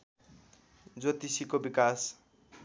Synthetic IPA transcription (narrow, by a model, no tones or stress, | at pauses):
d͡zot̪isikobikas